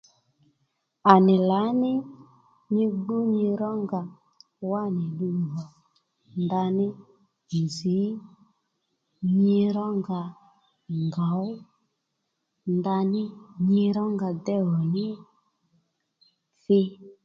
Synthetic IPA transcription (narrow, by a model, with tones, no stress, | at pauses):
a˨nɪ˨la˨˦nɪ˦ | ɲɪ˧ɡ͡bu˦ɲɪ˧ɾɔ˦ŋɡa˨ | wa˦˨nɪ˨ɗu˦˨ɦɔ˨ | nda˧nɪ˦ | i˨zi˨˦ | ɲɪ˧ɾɔ˦ŋɡa˧ | ŋɡa˨˦ʊ˦ | nda˧nɪ˦ɲɪ˧˦ɾɔ˦ŋɡa˧dɛ˦ɦɔ˨nɪ˦ | fɪ˦